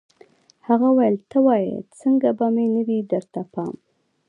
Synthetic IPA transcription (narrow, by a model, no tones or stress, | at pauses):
haɣawajəlt̪əwɑjḛt͡səŋɡabamenəwid̪əɾt̪apɑ̰m